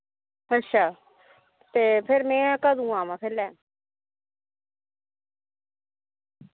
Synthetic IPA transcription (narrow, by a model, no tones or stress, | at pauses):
ətːʃʰaː | t̪eːpʰɪɾmɛ̃ːkəd̪ũːãːmãːpʰeɾlɛː